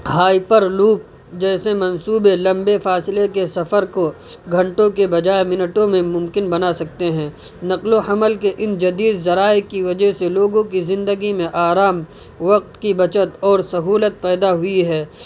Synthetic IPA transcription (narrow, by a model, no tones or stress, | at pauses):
ɦaːipəɾluːp̚ | d͡ʒɛːsemɐ̃nsuːbelɐ̃mbefaːsɪlekesɐfəɾko | ɡʱɐ̃ɳʈõkebɐd͡ʒaːemɪnəʈõmẽmʊ̃mkɪnbɐnasɐk̚t̪eɦɛ̃ː | nɐqlohɐməlkeʔɪnd͡ʒɐd̪iːd̪zɐɾaːekiʋɐd͡ʒəɦseloːɡõkizɪ̃nd̪əɡimẽʔaːɾaːm | ʋɐq̚t̪kibɐt͡ʃət̪ɔːɾsɐɦuːlət̪̚pɛːd̪aɦʊiɦɛː